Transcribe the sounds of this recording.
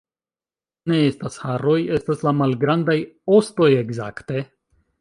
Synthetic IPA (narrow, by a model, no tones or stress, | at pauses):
ne̞estashaɾo̞je̞staslamalɡɾandajosto̞je̞ɡza̰kte̞